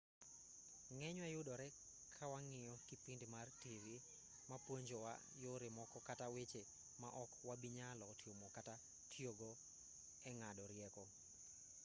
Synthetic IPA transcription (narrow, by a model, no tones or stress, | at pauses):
ŋɛɲwajʊdɔɾɛ | kʰawaŋɪjɔkipindimartiɾi | mapwoɲd͡ʒɔwa̰ | joɾɪmɔkɔkatawet͡ʃe | maʔɔkwabiɲalɔtjomɔkata | tʰjoɡɔ | ɛŋadɔɾjɛkɔ